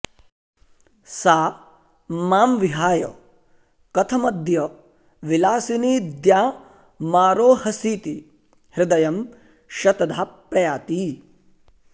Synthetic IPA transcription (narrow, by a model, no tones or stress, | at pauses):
saː | maːmʋiɦaːjɐ̰ | kɐt̪ʰɐmɐd̪jɐ | ʋilaːsiniːd̪jaː | maːɾoːhɐsiːt̪i | hɾɪd̪ɐjɐm | ʃɐt̪ɐd̪ʱaːpɾɐjaːt̪i